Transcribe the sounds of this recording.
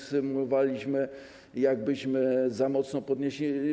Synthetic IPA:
sɘmulɔvalʲiɕmɘ | jaɡbɘɕmɘzamɔt̪snɔpɔd̪ɲeɕlʲi

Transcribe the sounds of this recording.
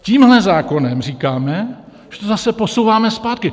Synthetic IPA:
ciːmɦlɛzaːko̞nɛmr̝iːkaːmɛ | ʒ̥ɛt̪ozasɛposowvaːmɛspaːt̪̚kɪ

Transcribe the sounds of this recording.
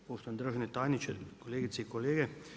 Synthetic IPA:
poːʃt̪ojnd̪ɾəʒnɛt̪aːjnit͡ʃɛkoleːɡit̪sɛikoleːɡɛ

